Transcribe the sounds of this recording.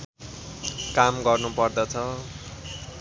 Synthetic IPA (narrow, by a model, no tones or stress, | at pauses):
kamɡʌrnupʌrd̪ʌt͡sʰʌ